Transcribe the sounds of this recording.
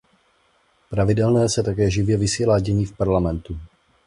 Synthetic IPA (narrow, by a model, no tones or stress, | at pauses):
pɾavɪdɛlnɛːsɛt̪akɛːʒɪvjɛvɪsiːlaːɟɪɲiːfpaɾlamɛnt̪u